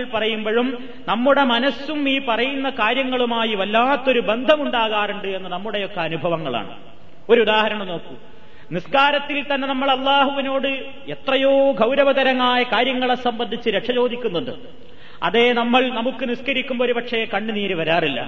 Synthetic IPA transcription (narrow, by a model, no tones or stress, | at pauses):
ɭpɐrɐjumboɐɻum | nɐmːuɽe̞mɐnɐsumiːpɐrɐjunːɐkaːɾjɐŋːɐɭumaːjiʋɐlːaːt̪ːo̞ɾube̞nd̪ʱɐmuɳɖaːɣaːruɳɖɨe̞nːɨnɐmːuɽe̞jo̞kːɐɐnubʱɐʋɐŋːɐɭa̰ːɳɨ̰ | o̞ɾuuðaːhɐɾɐɳɐmno̞ːkːum | niskaːɾɐt̪ːilt̪ɐnːe̞nɐmːɐɭɐlˠːaːɦuʋino̞ːɽɨ | e̞t̪rɐjoːɡʱɐwɾɐʋɐðɐɾɐŋːaːjɐkaːɾjɐŋːɐɭesɐmbɐnd̪ʱit͡ɕːɨɾeʈʂɐt͡ɕo̞ːd̪ʱikʲːunːuɳɖɨ | ɐ̰ðe̞nɐmːɐɭnɐmukːɨniskɐɾikʲːumboɾupɐʈʂekɐɳːɨniːɾuʋɐɾaːrilːɐ̰